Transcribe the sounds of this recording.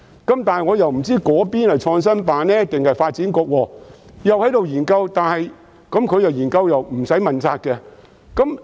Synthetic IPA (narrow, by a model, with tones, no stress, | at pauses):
kɐ˨˥mt̪aː˨nhɐ˨jŋɔː˨˧jɐ˨wm̩˨˩t͡siː˥kɔː˨˥piː˥nhɐ˨jt͡ʃʰɔː˧ŋs̬ɐ˥npaː˨˧nlɛː˥t̪ɪ˨ŋhɐ˨jfaː˧t̚t͡siː˨˥nkɔː˧k̚wɔː˧ | jɐ˨whɐ˨˥jt̪o˨wjiː˨˩nkɐ˧wt̪aː˨nhɐ˨j | kɐ˨˥mkʰɵ˨˧jɐ˨˩wjiː˨˩nkɐ˧wjɐ˨wm̩˨˩sɐ˨˥jmɐ˨nt͡saː˧t̚kɛ˧ | kɐ˨˥m